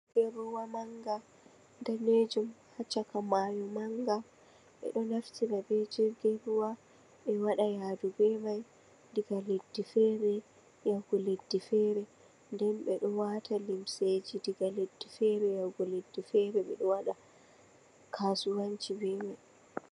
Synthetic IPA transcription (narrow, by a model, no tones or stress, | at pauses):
ɡ̥ɛɾuwamaŋɡa | ndɛned͡ʒumhat͡ʃːakamajɔmaŋɡa | ɓɛ̰ɗɔnaftʰiɾabɛd͡ʒɛɡɛɾuwa | ɓɛwaɗajaːdubɛmaj | diɡaledːifɛɾɛ | jawɡɔledːifɛɾɛ | ndɛnɓɛɗɔwatʰalimsed͡ʒidiɡaledːifɛɾɛjaɡɔledːifɛɾɛɓɛ̰ɗɔwaɗa | kʰaːsuwaɲt͡ʃibɛːmaj